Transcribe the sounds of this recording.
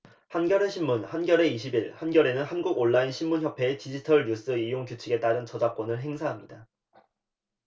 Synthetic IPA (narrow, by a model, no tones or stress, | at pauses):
hanɡjʌɾe̞ɕʰimmunhanɡjʌɾe̞iɕʰibiɭhanɡjʌɾe̞nɯnhanɡuɡoɭːainɕʰinmunçjʌpʰe̞etid͡ʑitʰʌɭɲus͈ɯijoŋkjut͡ɕʰiɡe̞t͈aɾɯnt͡ɕʌd͡ʑak͈wʌnɯɭɦe̞ŋsʰaɦamɲida